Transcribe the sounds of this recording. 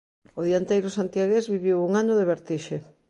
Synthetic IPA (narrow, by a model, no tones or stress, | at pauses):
ʊðjant̪ejɾʊsant̪jaɣezβiβiwuŋanʊðeβeɾt̪iʃe